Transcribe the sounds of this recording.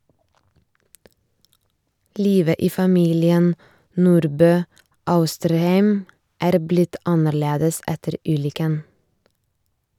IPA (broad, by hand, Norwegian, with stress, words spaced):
ˈliːʋə ˈiː fɑˈmiːlɪən ˈnuːɾbøː ˈɑʉstəɾˌhæɪm ˈæːɾ ˈblɪt ˈɑnəɾˌleːdəs ˈɛtəɾ ˈʉːlʏkən